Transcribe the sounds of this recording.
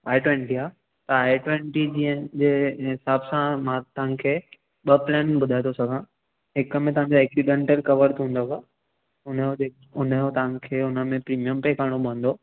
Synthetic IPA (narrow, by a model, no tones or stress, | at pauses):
aːiʈwẽːɳʈiaː | t̪ɐaːiʈwẽɳʈid͡ʑiːənd͡ʑeːɦɪsaːbsãmãt̪ɐɦãkʰeː | ɓɐplɛːnbʊd̪ʱaet̪osɐɡʱã | ɦɪkəmẽt̪ɐʋ̤ãɲd͡ʑoɛːksiɖẽːɳʈəlkɐʋəɾt̪ʰũːnd̪okaː | ʊnəoe | ʊnəjot̪ɐʋãkʰeːʊnə̆mẽpɾiːmijəmpeːkaːɽ̃obə̃nd̪oː